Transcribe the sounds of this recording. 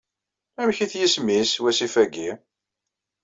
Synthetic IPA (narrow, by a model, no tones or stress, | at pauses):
æmçiθjismiswæsifæɡi